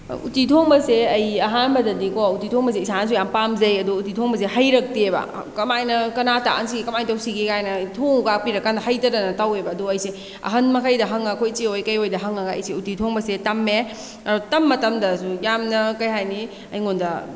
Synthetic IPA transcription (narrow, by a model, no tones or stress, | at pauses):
ṵtitʰoŋbɐseɐjɐɦanbɐdɐdikoutitʰoŋbɐs̬eisans̬ujampamzɐjɐduutitʰoŋbɐs̬ehɐjɾɐk̚tebɐ̰ | kɐmajnɐkɐnata̰ʔans̬iɡikɐmajtɐwsiɡekajnɐtʰoŋukak̚piɾɐkːandɐɦɐjtɐɾɐnɐtawebɐːduɐjse | ɐ̰ɦɐnmɐkʰɐjdɐɦɐŋɐkʰojt͡ʃeojkɐjojdɐɦɐŋɐɡɐ̰jseutitʰoŋbɐsetɐmːe | ɐɾotɐmːɐtɐmdɐsujamnɐkɐjɦajni | ɐ̰jŋondɐ